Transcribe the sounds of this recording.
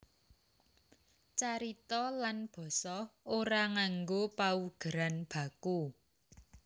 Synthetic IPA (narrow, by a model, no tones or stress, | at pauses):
t͡ʃaɾit̪ɔlanb̥ɔ̤sɔoɾaŋaŋɡopauɡ̥ə̤ɾanb̥ä̤ku